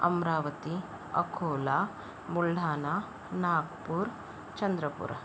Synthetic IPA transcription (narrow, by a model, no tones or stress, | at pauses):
ɐ̰mɾaːʋɐt̪i | ɐ̰kʰoːlaː | buɭɖʱaːnaː | naːkpuːɾ | t͡ʃɐnd̪ɾɐpṵɾɐ